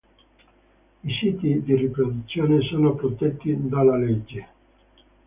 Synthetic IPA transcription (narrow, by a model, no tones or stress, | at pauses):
isiːt̪id̪iripɾod̪ut̪sːjoːnesoːnopɾot̪et̪ːid̪alːaled͡ʒːe